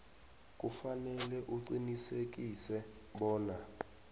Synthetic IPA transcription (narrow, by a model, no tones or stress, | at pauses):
k̬ʼufanɛlɛʔuǀinisek̬isɛ | ɓɔːna